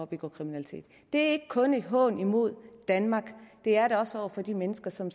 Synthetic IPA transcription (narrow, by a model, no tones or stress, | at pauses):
ɒb̥iɡ̥ɒ̰ːkʰʁiminælit͡sʰe̝̰ːd̥ːd̥e̝æɐe̝ɡ̥əkʰɔ̽ne̝d̥ɦɔ̽ːnimo̝ð̞̰ˠd̥ænmɑ̈ːɡ̥d̥e̝æɐɾeɒ̽sɒʊ̰ɐfɒ̽d̥imenəsɡ̥ɐsɒ̽m